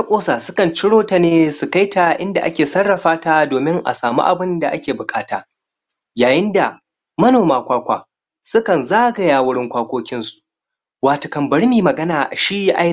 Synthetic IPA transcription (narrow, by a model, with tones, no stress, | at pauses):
ta˦kʷʼoː˦saː˨sʊ˦kɐ˨nt͡ʃɪ˦ɽoː˦ta˨neː˦su˨ka˦jta˨ʔɪ˦nda˨ʔa̰˦kʲeː˨sɐ˦rːɐ˨ɸaː˦taː˦doː˨mɪ˦ŋʔa̰˨saː˨mṵ˦ʔa̰˨bɪ˦nda˨ʔa˦kʲeː˨bʊ˨kʼaː˦ta̰ː˨ | jaː˨jɪ˦nda˨ | mɐ˦noː˨maː˦kʷaː˦kʷa̰ː˨ | sʊ˦kɐ˨nzaː˦ɡɐ˨jaː˦wʊ˦ɽɪ˦ŋkʷaː˦kʷoː˦kʲɪ˦nsu̥˨ʔ | waː˨to˨kɐ˨mbɐ˨ɽmiː˨mɐ˨ɡɐ˦naː˨ʔa̰˨ʃiː˦jʔa˦